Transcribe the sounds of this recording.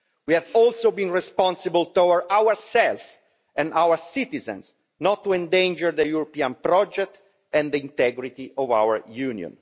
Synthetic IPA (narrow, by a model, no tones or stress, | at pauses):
wiɛvɔlsobĩnɹɛspɔ̃nsəbəlt̪ɔwəɹd̪awəɹsɛlf | ɛ̃nawəɹsit̪izɛ̰̃ns | nɔt̪ːuɛ̃nd̪ẽnd͡ʒəɾd̪əjuɾɔpiãnpɾɔd͡ʒɛk̚t̪ | ɛ̃nd̪əĩnt̪ɛɡɾit̪iʔɔvawə̰ɹjunjɔ̰̃n